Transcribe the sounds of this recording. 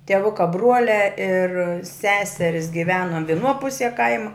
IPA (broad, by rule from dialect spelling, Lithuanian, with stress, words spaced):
tʲiɛˈʋʊkɐ ˈbruɔlʲæː ɪr ˈsʲæːsʲɛrʲɪs ɡʲɪˈʋʲæːnoː ʋʲɪˈnuɔ ˈpʊsʲiɛ ˈkɐɪmɐ